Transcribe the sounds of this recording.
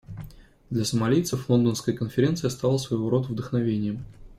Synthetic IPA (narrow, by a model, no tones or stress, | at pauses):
d̪lʲɐsəmɐlʲijt̪səflˠo̞nd̪ənskəjəkənfʲɪɾʲe̞nt̪sɨjɐst̪alˠsvɐjoɾo̞t̪vd̪əxnɐvʲenʲɪjəm